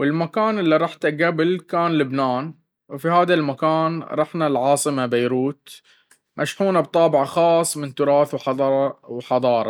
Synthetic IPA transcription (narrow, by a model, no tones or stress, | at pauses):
wɪlmakaːnɪlːiɾˤɑħt̪aɡabɪlkaːnlʊbnaːn | wfihaːðalmakaːnɾˤɑħnalʕɑːsˤɨmabajɾuːt̪ | mʔaʃħuːnabt̪ˤɑːbɪʕaxɑːsˤːmɪnt̪ʊɾˤɑːθwħˤwħɑðˤɑːɾˤɑ̰